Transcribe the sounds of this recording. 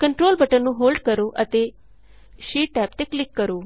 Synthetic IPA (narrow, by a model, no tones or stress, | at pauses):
kəɳʈɾoːlbəʈənnũːɦoːlɖkəɾoːʔət̪eː | ʃiːʈ̚ːɛːp̚t̪eːklɪkːəɾoː